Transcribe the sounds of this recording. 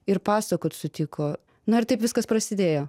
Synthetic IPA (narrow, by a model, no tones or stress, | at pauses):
ɪɾpɑːsɐkoːt̪sʊt̪ʲɪkʰoː | nʊɪɾt̪ɐɪpʋʲɪskɐspɾɐsʲɪd̪ʲeːjoː